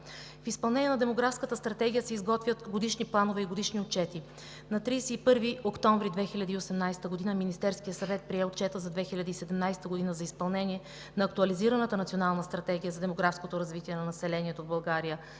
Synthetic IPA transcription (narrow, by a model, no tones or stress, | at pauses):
fispɐlˠnɛnʲiɛnɐd̪ɛmoɡɾafskət̪əst̪ɾɐt̪ɛɡʲijəsɛizɡɔt̪vʲət̪ɡod̪iʃniplˠanovɛiɡod̪iʃniot̪̚t͡ʃɛt̪i | nɐt̪ɾijsɛipɤɾviokt̪ɔ̃ɱvɾid̪vɛxilʲad̪iːosɛmnajst̪əɡod̪inəminist̪ɛɾskijəsɐvɛt̪̚pɾiɛot̪̚t͡ʃɛt̪əzɐd̪vɛxilʲad̪iːsɛd̪ɛmnajst̪əɡod̪inəzɐispɐlˠnɛniɛ | nɐːkt̪uɐliziɾɐnət̪ənɐt̪sionalˠnəst̪ɾɐt̪ɛɡʲijəzɐd̪ɛmoɡɾafskot̪oɾɐzvit̪iɛnɐnɐsɛlɛniɛt̪ovbɐlˠɡaɾijə